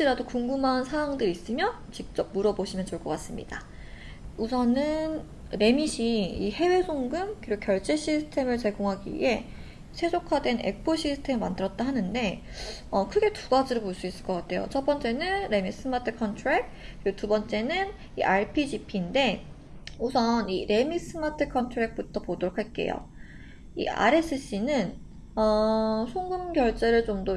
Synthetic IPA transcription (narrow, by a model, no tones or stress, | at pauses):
iɾadokuŋɡumansʰawaŋdɯɾis͈ɯmjʌ | t͡ɕik̚t͡ɕ͈ʌp̚muɾʌboɕʰimjʌnt͡ɕoɭk͈ʌk͈as͈ɯmɲḭda | usʰʌnɯn | ɾe̞miɕʰiihe̞we̞sʰoŋɡɯmkiɾokjʌɭt͡ɕ͈e̞ɕʰisʰɯ̥tʰe̞mɯɭt͡ɕe̞ɡoŋɦaɡḭe̞ | sʰe̞sʰokʰadwe̞ne̞̰k̚pʰoɕʰisʰɯ̥tʰe̞mɯmandɯɾʌt̚t͈aɦanɯnde̞ | ʌkʰɯɡe̞tuɡad͡ʑiɾopoɭs͈uis͈ɯɭk͈ʌk͈atʰe̞jo̰t͡ɕʰʌp͈ʌnt͡ɕ͈e̞nɯnɾe̞mis͈ɯmatʰɯkʰʌntʰɾek̚ɯɾiɡotubʌnt͡ɕ͈e̞nɯn | ḭʔaɭpʰid͡ʑipʰiːnde̞ | usʰʌniɾe̞mis͈ɯmatʰɯkʰʌntʰɯɾek̚p͈utʰʌpodoɾokʰaɭk͈e̞̰jo̰ | ḭa̰ɾe̞s͈ʰɯɕ͈inɯn | ʌsʰoŋɡɯmɡjʌɭt͡ɕ͈e̞ɾɯɭt͡ɕomdo